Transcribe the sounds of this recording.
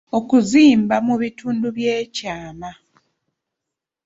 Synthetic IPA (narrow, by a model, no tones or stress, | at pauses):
o̞kuziːmbamuβituːnduβje̞ːcaːma